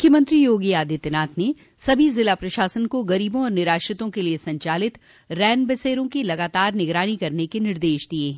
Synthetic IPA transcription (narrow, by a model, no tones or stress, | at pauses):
mʊkʰjəmə̃nt̪ɾijoːɡiaːd̪ʱit̪ɪnaːt̪ʰne | sɐbʱizɪlapɾɐʃaːsənkoɡɐɾiːbõɔːɾnɪɾaːʃɾɪt̪õkeliesɐ̃ɲt͡ʃaːlɪt̪ | ɾɛːnbɐseːɾõkilɐɡaːt̪aːɾnɪɡɾaːnikɐɾnekenɪɾd̪eːʃd̪ieː